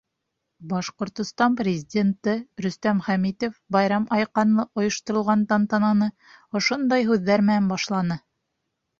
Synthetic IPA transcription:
bɑʃqŏɾt̪ŏst̪ɑnprʲɪzʲɪdʲent̪ɤɾɵ̆st̪æmχæmit̪ofbɑjɾɑmɑjqɑnlˠɤʔŏjŏʃt̪ŏɾŏlˠʁɑnt̪ɑnt̪ɑnɑnɤ | ŏʃond̪ɑjɦʉðːæɾmɘnænbɑʃlˠɑnɤ

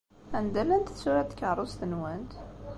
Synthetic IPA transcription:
ænd̪ælænt̪ə̥θsːuɾæt̪kəɾˤʊst̪ənwænt̪

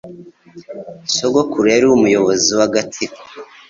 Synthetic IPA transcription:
soɡokuɾejaɾiumujo̞βoziwaɡatʰiko̥

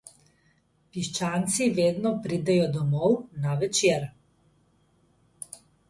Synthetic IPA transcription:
piʃt͡ʃaːnt̪siʋeːd̪nɔpɾid̪ɛjɔd̪ɔmɔwnaʋɛt͡ʃeːɾ

